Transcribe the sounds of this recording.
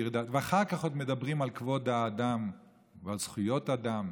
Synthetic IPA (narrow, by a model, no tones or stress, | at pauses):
iʁd̪at̪veaχaʁkaχod̪me̞d̪abʁimalkvo̞d̪haːd̪am | vealz̥χujot̪ad̪am